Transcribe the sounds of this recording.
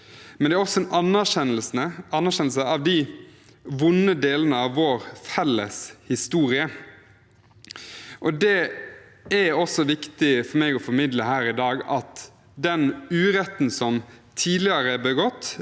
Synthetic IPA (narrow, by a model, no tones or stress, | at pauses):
mɛnd̪ɛæɾɔsɔʔɑnːæɾʃɛnlsnəɑnːæɾɕɛnlsɑʋd̪ɪ | ʋʊnːəd̪eːlənəɑʋːɔːɾfɛlːə̰shɪst̪uːɾɪə | ʔɔd̪ɛ | æɾɔsɔʋɪkt̪ɪfɔɾmeːɡɔfɔɾmɪd̪ləɦæːɾɪd̪ɑːɡɑt̪ | d̪ɛnʉːɾɛt̪nsɔmt̪ʰiːd̪lɪəɾəbɛɡɔt̪ː